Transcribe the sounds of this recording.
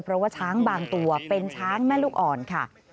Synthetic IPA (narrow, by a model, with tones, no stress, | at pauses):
pʰɾɔ˦waː˥˩t͡ɕʰaː˦˥ŋbaː˧ŋt̪u˧ɐpe˧nt͡ɕʰaː˦˥ŋmɛː˥˩luː˥˩k̚ʔɔː˨˩nkʰa˥˩